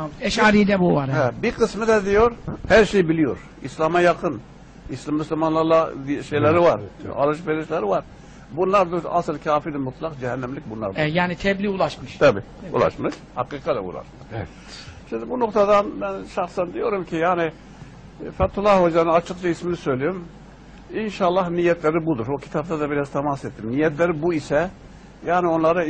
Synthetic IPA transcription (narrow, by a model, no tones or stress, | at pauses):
ɛʃaːɾid̪ɛbuvaɾhɛbiɾqʰɯsmɯd̪ɛd̪ijoɾhæɾʃejbilijoɾ | islˠamɑjɑqʰɯn | islmːyslʲimanlˠaɾlˠaʃejlʲɛɾivaɾɑ̰lˠɯʃ̬veɾiʃlæɾivaɾ | bunlˠaɾd̪uasɯlˠcʰaːfid̪ɛmut̪ʰlˠɑqd͡ʒɛhɛnːæmlʲik̚ʲbunlˠa̰ɾd̪ajaːnit̪ʰɛblʲiulˠaʃmɯʃt̪ʰabḭːṵlˠa̰ʃmɯʃ | hɑqɨːqʰɑd̪ɛ̰ṵlˠɑ̰ʃmʃ | ʃind̪ɪbunoqt̪ʰɑd̪ɑnmɛnʃɑχsɛnd̪ijoɾumkʲʰijaːnɪ | fɛt̪ʰːulˠːɑhod͡ʒ̪ɑnɯnɑt͡ʃʰɯqt͡ʃʰɑismɪnɪsøjlijim | inʃɑlˠːɑhnijɛt̪ʰlæɾibud̪uɾokʲʰi̥t̪ʰɑbt̪ɑd̪ɑbiɾɑz̥t̪ʰɑmɑset̪ːimnijɛt̪ʰlæɾɪbuisɛ | jaːnɪonlˠɑɾɑ